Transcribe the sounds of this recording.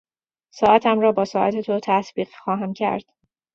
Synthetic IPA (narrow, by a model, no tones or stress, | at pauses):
sɒːʔæt̪ʰæmrɒːbɒːsɒːʔæt̪ʰet̪ʰot̪ʰæsbiːɣxɒːɦæmcʰæ̰ɾd̪̥